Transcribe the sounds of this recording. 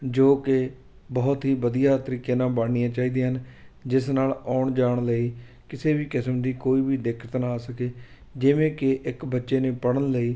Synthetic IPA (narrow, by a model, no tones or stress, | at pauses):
d͡ʒoːkɪ | bɔːt̪ɦiːbəd̪ijaːt̪əɾiːkeːnãːbəɳːijãːt͡ʃaːiːd̪eːɦənd͡ʒɪsnaːlaːɳd͡ʒaːɳ̃ləiː | kɪseːbiːkɪsəmd̪iːkoːiːbiːd̪ɪkʰə̥t̪naːsəkeː | d͡ʒɪʋẽːkɪʔɪkbətːʃeːneːpəɽənləiː